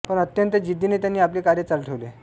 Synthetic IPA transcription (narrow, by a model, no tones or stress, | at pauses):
pəɳət̪jənt̪əd͡ʑid̪ʱːineːt̪̬janːiːap̬liːkaɾjət͡salʈʰəʋle